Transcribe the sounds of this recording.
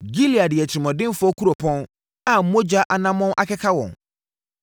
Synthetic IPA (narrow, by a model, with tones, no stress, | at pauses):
ɡi˦li˨a˨dɪ˨ɛ˨t͡ɕʰɪ˨i˨mɔ̃˨dɪ̃˦m˦fʊ˦ɔ˦kʰu˦ɾo˨pʰɔ̃˦n | a˨˦mõ˦d͡ʑa˦ʔa˨nã˦mɔ̃˦na̰˨kʰɛ˦kʰa˦wɔ̰̃˨n